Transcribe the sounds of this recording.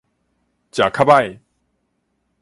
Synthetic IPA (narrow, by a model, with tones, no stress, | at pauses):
t͡ɕja˨˩kʰa˥ba˥˨j